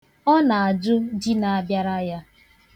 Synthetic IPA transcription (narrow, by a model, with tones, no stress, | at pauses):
ɔ˦na˨a˨d͡ʒʊ˦d͡ʒi˦na˨a˦bja˦ɾa˦ja˦